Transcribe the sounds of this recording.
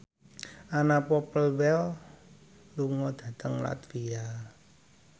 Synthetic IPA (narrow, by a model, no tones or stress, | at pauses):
anapɔpəlwɛl | luŋɔd̪̥ä̤t̪əŋla̰t̪fia